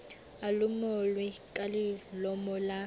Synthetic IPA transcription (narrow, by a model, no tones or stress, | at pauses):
alʊmɔlwɪkʼalɪlɔmɔla